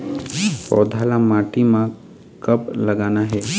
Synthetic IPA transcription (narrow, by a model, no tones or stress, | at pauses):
pɔ̰ːd̪ʱaːlamaːʈimã | kəplɐɡaːnaɦɛː